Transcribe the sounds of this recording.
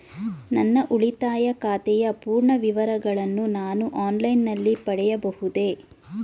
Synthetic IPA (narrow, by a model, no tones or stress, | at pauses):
nɐnːɐʔuɭit̪aːjɐkaːt̪ɛjɐpuːɾɳɐʋiʋɐɾɐɡɐɭɐnːunaːnuʔaːnlɐjnːɐlːipɐɽɛjɐbɐhud̪e̞ː